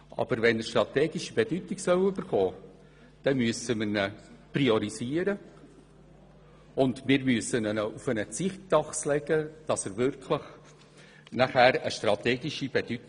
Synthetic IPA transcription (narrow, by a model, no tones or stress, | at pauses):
ʔɑ̰b̥əɾvɛnəʃtrɑt̪ɛːɡiʃib̥ed̥ytɪɡsœwyb̥əɾχɔː | d̥ɛmyəsəmənəpriɔɾiziːəɾə | ʊndmɪːɾmyəsənənəufənət͡sɪχtdɑχslɛɡəd̥ɑsəɾvʏɾkʰləχ | naχæːɾəʃtrɑt̪ɛːɡiʃib̥ed̥yt